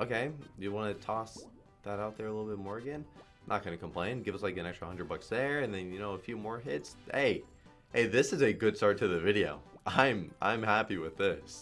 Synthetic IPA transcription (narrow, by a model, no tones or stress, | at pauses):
ʔoʊkeɪjɨwɑnɨtʰɔs | ðəɾaʊt̪̚ðə˞əlɪɾl̩ˠbɪt̚mɔɹɨɡɛ̃n | ʔət̚kʰãɪ̃ndɨkʰmpl̥ẽɪ̃nɡɪvʌslaɪkɨ̃ñɛkstɹ̥əhʌ̃nɹəd̚bʌksðə˞ɨ̃nðɨ̃njɨnoʊəfjʉmɔɹɦɪtshḛɪ | heɪðɪsɨzɨɡʊd̥stɑɹtʰɨðɨvɪɾioʊʔãɪ̃mʔã̰ɪ̃mhæpiwɪðɪs